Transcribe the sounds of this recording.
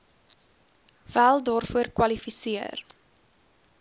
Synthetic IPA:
vælˠdɑːrfuərkwɐlifisiər

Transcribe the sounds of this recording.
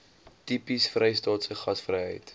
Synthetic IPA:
tipisfrɛjstɑːtsəχɐsfrəjɦə̰jt

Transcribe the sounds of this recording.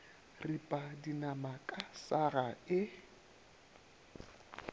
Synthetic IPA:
ripʼadinamakʼasaraɪ

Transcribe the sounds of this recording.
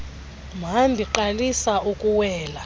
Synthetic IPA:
m̤ʱambʱiǃalisaukʼuwɛːla

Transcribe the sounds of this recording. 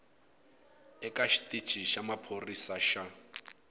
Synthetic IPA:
ɛkʼaʃi̥tʼid̥t͡ʃʼiʃamapʰorisaʃa

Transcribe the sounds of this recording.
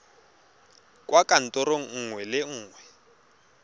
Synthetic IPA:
kʼwakʼan̩tʼɔɾoŋ̩ŋwɛlɪŋ̩ːŋwɛ

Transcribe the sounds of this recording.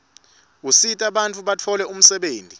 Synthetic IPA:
usitʼaɓant͡fʰʼuɓatʰɔlɛum̩sɛɓeːntʼi

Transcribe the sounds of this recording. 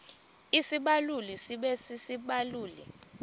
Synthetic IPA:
isiɓalulisiɓɛsisiɓaluːlḭ

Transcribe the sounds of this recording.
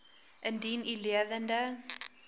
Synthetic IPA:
ʔəndiːnileðəndə

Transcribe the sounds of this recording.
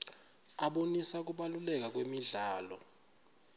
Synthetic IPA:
aɓonisak̬uɓalulɛk̬ak̬wemiɮaːlɔ

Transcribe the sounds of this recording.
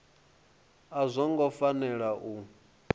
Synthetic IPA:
azʷɔŋɡɔfanɛɺaʔu

